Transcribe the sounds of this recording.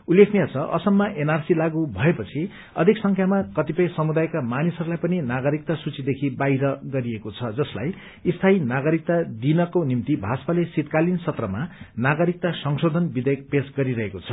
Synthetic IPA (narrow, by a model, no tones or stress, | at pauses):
ulːekʰnijat͡sʰʌʔʌ̰sʌmːaʔenarsilaɡubʱʌepʌt͡sʰi | ʌd̪ʱiksʌŋkʰjamakʌt̪ipʌjsʌmud̪ajkamanisʌɾulajpʌninaɡʌɾik̚t̪asut͡sid̪ekʰibajɾʌɡʌɾiekot͡sʰʌd͡zʌsla̰j | ist̪ʰainaɡʌɾik̚t̪ad̪inʌkonimt̪ibʱaspalesit̪kalinsʌt̪rʌmanaɡʌɾik̚t̪asʌŋsod̪ʱʌnbid̪ʌjʌk̚pesɡʌɾiɾʌɦekot͡sʰʌ